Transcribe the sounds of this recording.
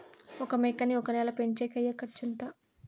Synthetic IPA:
ɔkɐmeːkɐniɔkɐnɛːlɐpeɲt͡ʃeːkɐjːɐkɐʈt͡ʃɐnt̪a

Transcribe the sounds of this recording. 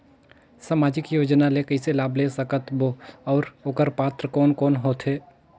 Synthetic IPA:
saːmaːd͡ʒɪkjoːd͡ʒnalekəɪselaːblesəkət̪boɔːɾoːkəɾpaːt̪ɾəkɔːnkɔːnɦoːt̪ʰɦeː

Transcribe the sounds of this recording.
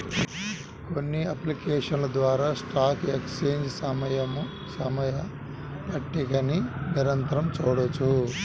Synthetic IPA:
konːiɐplikeːʂɐnlɐd̪ʋaːɾaːsʈaːkekst͡ʃeːnd͡ʒsɐmɐjɐmu | sɐmɐjɐ | pɐʈːikɐniniɾɐnt̪ɐɾɐmt͡ʃuːɽot͡ʃːu

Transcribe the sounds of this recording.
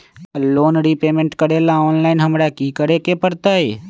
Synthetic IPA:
loːnɽipeːmẽɳʈkəɽelaɔːnlaɪinɦəmɾakikəɾekepəɽt̪ae

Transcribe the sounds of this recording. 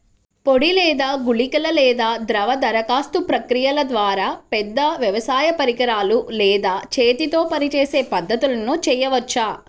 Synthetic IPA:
poɽilɛːd̪aːɡuɭikɐlɐlɛːd̪aːd̪ɾɐʋɐd̪ɐɾɐkaːst̪upɾɐkɾijɐlɐd̪ʋaːɾaːpɛd̪ːɐʋjɐʋɐsaːjɐpɐɾikɐɾaːlulɛːd̪aːt͡ʃeːt̪it̪o̞ːpɐnit͡ʃeːseːpɐd̪ːɐt̪ulɐnut͡ʃɛːjɐʋɐt͡ʃːaː

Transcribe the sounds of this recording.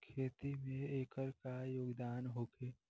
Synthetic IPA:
kʰeːt̪imẽeːkəɾkajoːɡd̪aːnɦoːkʰeː

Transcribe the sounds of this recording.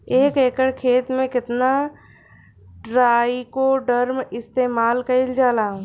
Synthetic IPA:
eːkeːkəɽkʰeːt̪mẽkɪt̪na | ɖɾaːikoɖəɾmɪst̪eːmaːlkɐɪld͡ʒaːlaːɦũː

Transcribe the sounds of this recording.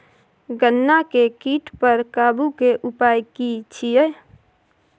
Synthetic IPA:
ɡənːakekiːʈpəɾkaːbukeʔʊpaːjkit͡ʃʰie

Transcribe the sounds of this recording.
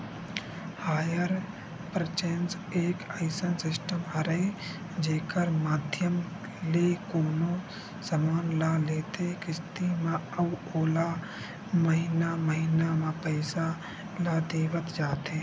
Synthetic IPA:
haːjəɾ | pɾət͡ʃens | eːkəɪsənsɪsʈəmɦəɾəe | d͡ʒeːkəɾmaːd̪ʱjəm | leːkoːnõ | səmaːnlaːleːt̪ekɪst̪imãəuoːla | məɦɪnaməɦɪnamãpəɪsa | lad̪eːʋət̪d͡ʒaːt̪eː

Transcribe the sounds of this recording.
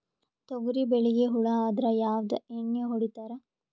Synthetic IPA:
t̪oɡuɾibeɭijeɦuɭɐaːd̪ɾɐjaːʋd̪ɐeɳːeɦoɽit̪aːɾɐ

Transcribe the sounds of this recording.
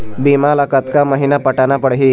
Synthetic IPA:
bimalakat̪kaməɦinapəʈanapəɽɦi

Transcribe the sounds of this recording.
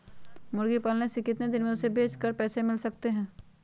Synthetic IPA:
mʊɾɡipaːlnesekɪt̪ned̪ɪnmẽʊsebʱeːt͡ʃkəɾpɛːsemɪlsɐk̚t̪eɦɛ̃ː

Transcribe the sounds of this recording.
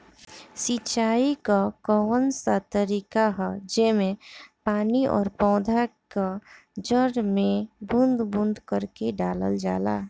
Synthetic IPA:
sit͡ʃaːikakɔwənsat̪əɾiːkaɦɛd͡ʒɛːmẽpaːniʔɔ̰ːɾpɔ̃ːd̪ʱaka | d͡ʒəɾmẽbʊnd̪bʊ̃nd̪kəɾkeɖaːlə̰ld͡ʒaːla̰ː

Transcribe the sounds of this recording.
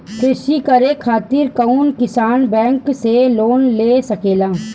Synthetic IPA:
kʰɪʃikəɾekʰaːt̪ɪɾkaunkɪsaːnbɛ̃ːŋkseloːnleːsəkeːlaː

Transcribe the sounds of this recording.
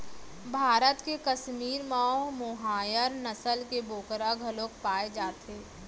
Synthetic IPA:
bʱaːɾət̪kekɐʃmiːɾmaːomoɦaːjəɾnəsəlkeboːkɾaɡʱɐloːkpaːed͡ʒaːt̪eː

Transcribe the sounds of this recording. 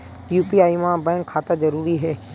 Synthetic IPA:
juːpiːaːimãːbɛ̃ːkʰːaːt̪ad͡ʒəɾuːɾiɦeː

